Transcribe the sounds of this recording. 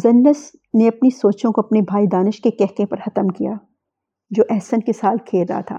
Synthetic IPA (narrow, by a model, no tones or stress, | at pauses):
zɐnːəs | neɐpnisoːt͡ʃõkoɐpnebʱaːid̪aːnɪʃkekɛɦkẽpɐɾxɐt̪əmkija̰ | d͡ʒoːʔɛɦsənkesaːlkʰeːlɾɐ̰ɦa̰t̪ʰa̰ː